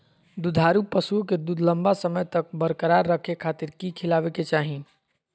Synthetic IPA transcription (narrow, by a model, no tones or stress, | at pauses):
d̪ud̪ʱaːɾupəsuoked̪ud̪ʱləmbasəməjt̪ək̚bəɾkəɾaɾːəkʰekʰaːt̪ɪɾkikʰɪlaːʋeket͡ʃaːɦĩ